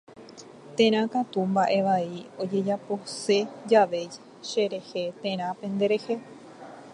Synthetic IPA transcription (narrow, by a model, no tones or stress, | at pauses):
t̪ẽ̞ɾ̃ãkat̪umbaʔe̞ʋaio̞d͡ʒe̞d͡ʒapo̞se̞d͡ʒaʋe̞d͡ʒe | ʃe̞ɾe̞he̞t̪ẽ̞ɾ̃ãpẽ̞nd̪e̞ɾe̞he̞